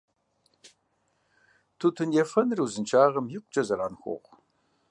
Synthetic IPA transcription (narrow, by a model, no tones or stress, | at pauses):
tʰutʰɨnjɛfɐnrɨwzɨnt͡ʃʰaːʁɐmjɪqʷʼt͡ʃʼɐzɐraːnxʷo̰ʁʷ